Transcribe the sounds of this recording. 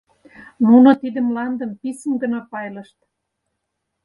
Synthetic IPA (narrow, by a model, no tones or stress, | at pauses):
nunŏt̪id̪ə̆mlɑnd̪ə̆mpisəmɡə̆nɑpɑjlɤ̆ʃt̪